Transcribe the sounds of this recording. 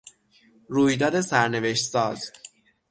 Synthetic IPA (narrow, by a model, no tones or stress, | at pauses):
ɾuːjd̪ɒːd̪e̞sæɾne̞ve̞ʃt̪sɒːz̥